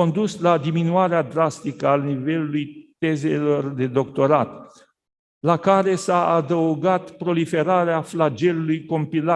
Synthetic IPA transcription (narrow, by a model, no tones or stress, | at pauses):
o̞nd̪uslad̪iminuaɾead̪ɾast̪ikəanive̞lulujt̪e̞ze̞lo̞rd̪e̞d̪o̞kt̪o̞ɾat̪ | lakaɾe̞saad̪əuɡat̪pɾo̞life̞ɾaɾeaflad͡ʒe̞lulujko̞mpila